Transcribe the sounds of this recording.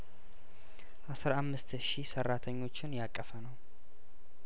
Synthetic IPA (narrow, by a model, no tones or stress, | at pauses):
ʔasɨɾamːɨst̪ʃisərːat̪ʰəɲːo̞t͡ʃːɪnjakʼːəfənəw